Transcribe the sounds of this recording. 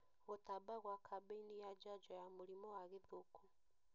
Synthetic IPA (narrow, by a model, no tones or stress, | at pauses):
ɣotabaɣwakʰabeinijad͡ʒad͡ʒɔjamulimɔwaɣeðokʰu